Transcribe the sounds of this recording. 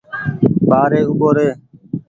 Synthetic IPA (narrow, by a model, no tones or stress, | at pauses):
ɓaːɾeːʊɓoːɾeː